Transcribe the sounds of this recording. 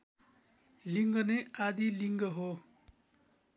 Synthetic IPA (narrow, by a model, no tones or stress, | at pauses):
liŋɡʌnead̪iliŋɡʌɦo